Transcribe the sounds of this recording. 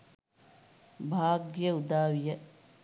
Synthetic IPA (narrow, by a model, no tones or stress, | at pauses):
bʱaːɡjɐud̪aːwjɐ